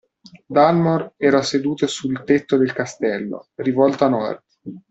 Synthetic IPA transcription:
d̪almorɛːɾased̪uːt̪osult̪et̪ːod̪elkast̪ɛlːo̰rivɔlt̪oanɔrd̪

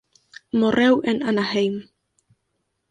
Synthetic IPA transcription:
morʔewenanahejm

